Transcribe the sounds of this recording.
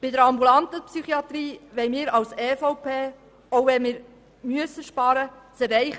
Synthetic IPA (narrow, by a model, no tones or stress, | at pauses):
b̥ɪdəɾɑmbulɑnt̪əpsyχiɑt̪ɾiːʋɛjmɪːɾɑwsɛːfɔʊpʰeː | oʊʋɛnmɪːɾ | myəsːəʃpɑːɾə | t͡sɛrɛɪχ